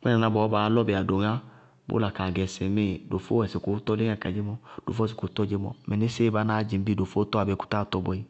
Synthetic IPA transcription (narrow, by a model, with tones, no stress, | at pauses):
k͡pɛ˦na˨na˦bɔ˨˦ba˨˦lɔ˦be˨a˨do˨ŋa˦ | bo̰˦la˨ka˨ɡɛ˨se˨me˦˨do˨fo˦ɛ˨si˨ku˨˦tɔ˦le˦ŋa˦˨ka˨d͡ʒe˦mɔ˦d̥o̰˨fɔ˦s̬i˨ku˨˦tɔ˦˨d͡ʒe˦mɔ̰˨mɛ˨ne˦se˦˨ba˨˦naː˦d͡ʒi˨m˦bi˦do˨fo˦tɔ˦a˨bɛ˨˦ku̥˦ta˦˨tɔ˦bɔ˨i˦